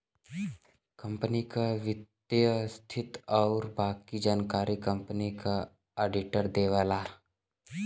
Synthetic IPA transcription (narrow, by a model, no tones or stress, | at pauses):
kɐ̃mpənikaʋɪt̪jəst̪ʰɪt̪ɔːɾbaːkid͡ʒaːnkaːɾikɐ̃mpənika | eːɖɪʈəɾd̪eːʋaːlaːɾ